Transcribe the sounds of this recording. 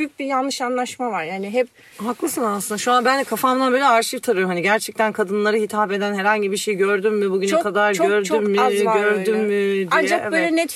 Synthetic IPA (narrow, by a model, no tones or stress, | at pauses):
yjyc̚bijanlːˠɯʃanlˠaʃmavaɾjaːniɦɛp̚ | ɦaklˠɯsɯnasɯnd̪aʃuanbænd̪ɛkʰafamnabøːlʲɛaɾʃɯft̪ʰaɾɯjoɦaniɟæɾt͡ʃʰɛc̚t̪ʰænkʰad̪ɯnlˠaɾɯɦit̪ʰaːpe̞d̪ænɦɛɾhaɲɟibiʃejɟøɾd̪ymːibuɟynɛkʰad̪aɾɟøɾdt͡ʃymːmiɟøɾd̪ymmɪd̪aind͡ʒakbbøːlʲɛnɛt̪